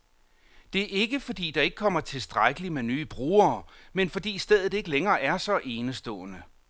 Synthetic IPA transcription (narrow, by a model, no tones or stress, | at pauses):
d̥e̝æɐe̝ɡ̥əfɒ̽d̥ḭːd̥ɑ̈e̝ɡ̥əkʰɒ̽m̰ɐt͡sʰe̝lsd̥ʁaɡ̥əlimenyːb̥ʁuːɐːmenfɒ̽d̥ḭːsd̥eð̞̰ˠð̩ˠe̝ɡ̥əleŋɐːʔæɐsɒ̽ʔe̝ːnəsd̥ɔ̰̽ːnə